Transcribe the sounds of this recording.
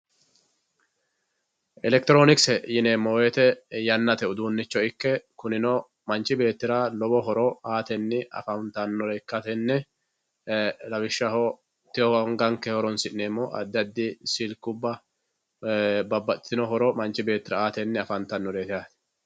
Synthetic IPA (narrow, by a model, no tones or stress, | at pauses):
ʔɛlɛk̚t̪ɪɾo̞ːnɪksɛjɪneːmːowɛt̪ɛjɐnːɐt̪ɛʊd̪uːnːɪt͡ʃːɔɪkːɛkʊnɪnɔ | mɐnt͡ʃːɪbe̞ːt̪ːɪɾalɔbɔɦɔɾɔaːt̪ɛnːɪʔɐ̰fɐnt̪ɐnːɔɾekːɐt̪ɛnːɛ | lɐwɪʃːɐhɔ | t̪ɪhɔhɔŋɡɐŋkːɛhɔɾɔnsɪʔneːmːɔʔɐ̰d̪ːɐd̪ːɪsilkːʊbːɐ | bɐbːɐt̪ɪnɔɦɔɾɔmɐnt͡ʃːɪbe̞ːt̪ːɪɾɐaːt̪ɛnːɪɐfɐnt̪ɐnːɔɾeːt̪ɪjaːt̪ɛ̥